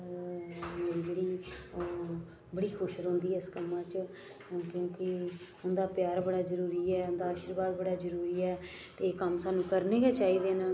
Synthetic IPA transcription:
d͡ʒeːɽiː | bəɽiːkʰʊʃɾɦoʊ̃ːnd̪iːɛɪskəmːãːt͡ʃ | kjõːkɪ | ʊnd̪aːpjaːɾbəɽaːzəɾuːɾiːɛːʊnd̪aːʃəɾbaːd̪̚bəɽaːzəɾuːɾiːɛː | t̪eːkəmsãːnũːkəɾneːkeːt͡ʃaːiːd̪eːnãː

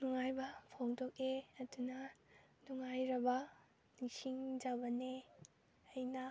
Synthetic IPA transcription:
nuŋajbɐpʰoŋdok̚eɐdunɐnuŋajɾɐbɐ | niŋsiŋd͡ʒabɐne | ɐjnɐ

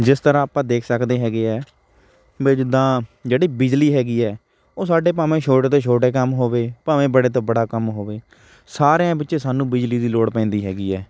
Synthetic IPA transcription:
d͡ʒɪst̪əɾãːaːpãːd̪eːkʰsəkd̪eːɦɛːɡeːɛː | bɪd͡ʒd̪ãːd͡ʒeːɽiːbɪd͡ʒliːɦɛːɡiːɛː | oːsaːɖeːp̬aːʋẽːt͡ʃʰoːʈeːt̪õːt͡ʃʰoːʈeːkəmɦoːʋeːpaːʋẽːbəɽeːt̪õːbəɽaːkəmɦoːʋeː | saːɾeãːbɪtːʃẽːsaːnũːbɪd͡ʒliːd̪iːloːɽpɛ̃ːnd̪iːɦɛːɡiːɛː

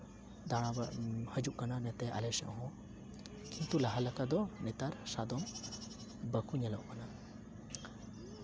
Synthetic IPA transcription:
d̪aɽ̃abahəd͡ʒuʔkananɛt̪ɛʔa̰lɛsɛ̰ʔɦɔ̃ | kʰit̪ulaɦalakad̪ɔnɛt̪aɾsad̪ɔm | bəkʰuɲɛlɔʔkana

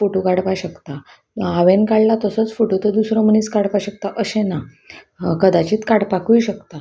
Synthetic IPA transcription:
foʈukaɽpaɕəkt̪a | aʋẽnkaɭlat̪əsət͡sfoʈut̪əd̪usɾɔm̤əniːt͡skaɽpaɕək̚t̪aʔəɕẽna | kəd̪at͡ɕiːt̪kaɽpakujɕəkt̪a

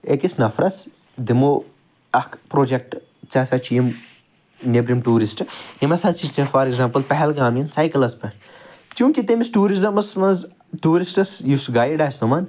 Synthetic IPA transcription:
ekisnɐfɾɐs | d̪imo | ɐkpɾoːd͡ʒek̚ʈ | t͡sɐsɐt͡ʃʰijim | nʲebɾimʈuːɾisʈjimɐt̪ʰɐsit͡ʃt͡sĩfɐːɾeɡzaːmpɐlpɐɦɛlɡaːminsajkɐlɐspɐ | t͡ʃũːkit̪emisʈuːɾizɐmɐsmɐnz | ʈuːɾisʈɐsjusɡaːjɖɐst̪umɐn

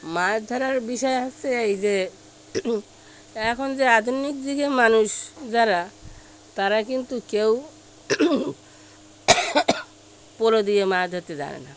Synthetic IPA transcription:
mad̪ʱaɾaɾbiʃɔeɦast̪eajd͡ʑe | ɛkʰond͡ʑead̪ʱunik̚d̪iɡemanuʃd͡ʑaɾa | t̪aɾakint̪ukew | poɾod̪iemad̪ʱot̪ed͡ʑa̰nḛna̰

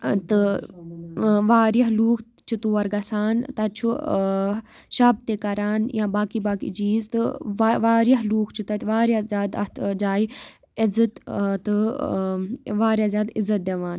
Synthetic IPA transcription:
t̪ɨ | ʋaːɾjɐɦluːk | t͡ʃʰut̪uːɐɾɡɐsaːnt̪ɐt͡ʃʰu | ʃaːb̚t̪ekɐɾaːnjãbaːkibaːkḭd͡ʒiːzt̪ɨʋaːɾjɐɦluːkʰt͡ʃʰut̪ɐt̪ʋaːɾjazjaːd̪ɐt̪ʰd͡ʒaːi | izɐt̪t̪ɨ | ʋaːɾjaːzʲjaːd̪izːɐt̪̚d̪ɐʋaːn

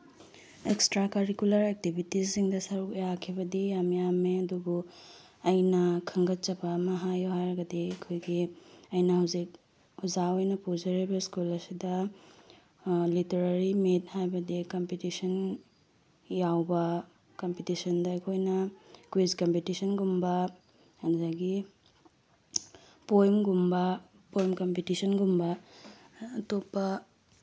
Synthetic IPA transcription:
ekstɾakɐɾikulɐɾek̚tibʱitisːiŋdɐsɐɾukijakʰibɐdijamjameɐduɡu | ɐjnɐkʰɐŋɡɐt̚t͡ʃɐbɐmɐɦajoɦajɾɐɡɐdiɐkʰojɡiɐjnɐhɐwzik̚ | uzaojnɐpuzɐɾibɐskulɐsidɐ | liteɾɐɾimit̚hajbɐdikɐmpitisɐn | jawbɐ | kɐmpitisɐndɐːjkʰojnɐkwizkɐmpitisɐnɡumbɐ | ɐnzaɡi | pojmɡumbɐ | pojmkɐmpitisɐnɡumbɐː | topːɐ

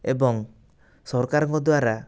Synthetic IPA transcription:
ebɔŋ | sɔɾkaɾɔŋkɔd̪oaɾa

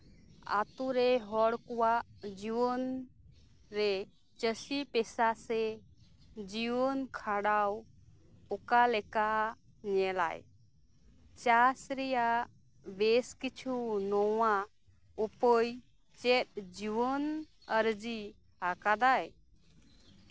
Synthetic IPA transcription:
a̰t̪uɾɛɦɔɽkɔwaʔd͡ʒiwɔn | ɾɛ | t͡ʃəsipɛsasɛ | d͡ʒiwɔnkʰaɽaw | ɔkalɛka | ɲɛla̰j | t͡ʃasɾɛja | beskit͡ʃʰunɔwa | upəj | t͡ʃɛt̪̚d͡ʒiwɔn | əɾd͡ʒi | akad̪aj

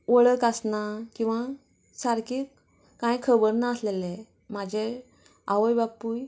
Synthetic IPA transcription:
ʋəɭəkasnakĩw̃ʋa | saɾkik | kãjkʰəbəɾnaəslele | m̤ad͡ʑʱe | aʋəjbapuːj

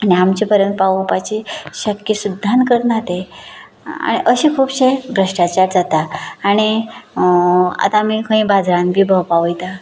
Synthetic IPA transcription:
aniamt͡ɕipəɾjənt̪̚paʋpat͡ɕiɕəkjəsud̪ʱːankəɾnat̪e | a̰ɽ̃iʔəɕẽkʰuːbɕebɾəʂʈat͡ɕaɾd͡zat̪aːɽ̃i | a̰t̪aːmikʰə̃ĩbad͡zɾãnbʱiːbʱəpaʋəjt̪a

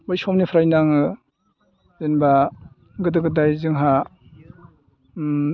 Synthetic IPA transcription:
bajsɔmnipʰɾajnaŋɯ | zenba | ɡɯdɯɡɯdajzɯŋɦa

